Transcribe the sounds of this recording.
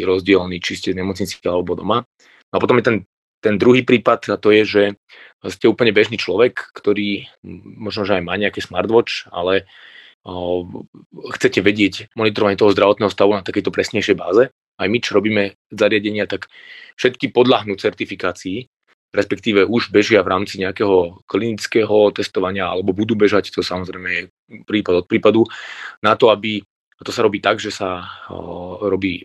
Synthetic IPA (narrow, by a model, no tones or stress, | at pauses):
ɾɔzɟɪɛlniːt͡ʃiscɛzɲɛmɔt͡sɲit͡salɛbɔd̪ɔ̰ma | nɔapɔt̪ɔmjɛt̪ɛn | t̪ɛnd̪ɾuɦiːpɾiːpat̪at̪ɔjɛʒɛ | scɛuːpl̩ɲɛbɛʒniːt͡ʃlɔʋɛkːt̪ɔɾiːmɔʒnɔʒɛajmaːɲɛakɛːsmaɾd̪ʋɔt͡ʃa̰lɛ | xt͡sɛcɛʋɛɟɪɛcmɔnit̪ɔɾɔʋaɲɪɛt̪ɔɦɔzd̪ɾaʋɔt̪nɛːɦɔst̪aʋunat̪akɛjt̪ɔpɾɛsɲɛjʃɛjba̰ːzɛ | ajmit͡ʃɔɾɔbiːmɛ | zaɾɪaɟɛɲɪat̪akfʃɛt̪kipɔd̪laɦnuːt͡sɛɾt̪ifikaːt͡siː | ɾɛspɛkt̪iːʋɛuʒbɛʒɪavɾaːmt͡siɲɛakɛɦɔklinit͡skɛːɦɔt̪ɛst̪ɔʋaɲɪaa̰lɛbɔbud̪uːbɛʒact̪ɔsamɔzɾɛjmɛjɛ | pɾiːpad̪ɔt̪̚pɾiːpad̪unat̪ɔabi | t̪ɔsaɾɔbiːt̪aɡʒɛsa | ɾɔbiː